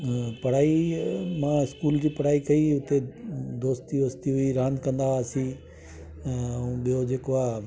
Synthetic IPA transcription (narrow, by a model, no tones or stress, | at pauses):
pɐɽaːimãːɪskuːld͡ʑiːpɐɽaːikɐiʊt̪ed̪oːst̪iʋoːst̪iɦʊiɾãːnd̪kɐ̃nd̪aːsĩ | ũːɓijod͡ʑeːkoaː